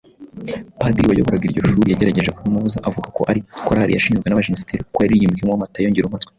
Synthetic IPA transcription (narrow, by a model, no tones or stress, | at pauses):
padɾiwajo̰βoɾaɡiiɾɟo̞ʃuːɾijaɟe̞ɾaɟe̞ʒekuɾimuzaʔavuɡako̞ʔaɾikoɾahaɾḭjaʃiːnzɡwe̞naβaʒinsi̥tiɾukojaɾijimɡimwamatajoɲɟiɾumatwe̥